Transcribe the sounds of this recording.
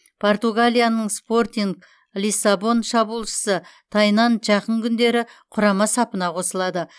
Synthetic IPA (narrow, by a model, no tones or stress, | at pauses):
pʰo̞rt̪uɡalʲijanəɴspo̞rt̪ʲiŋɡ | lisːabo̞nʃɑbulˠʃə̥sət̪ʰɑjnɑnʒɑqəɴkʲʰʏnd̪e̞ɾɪqʰʊɾɑmɑsɑpənɑqʰo̞səlˠɑd̪ə